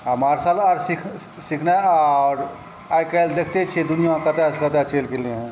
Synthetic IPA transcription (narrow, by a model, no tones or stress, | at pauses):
əmaːɾsalaːɾsikʰ | sikʰnaaɾ | ajkald̪ekʰt̪et͡ʃʰed̪ʊnijãkət̪askət̪at͡ʃeːlkeleɦɛ̃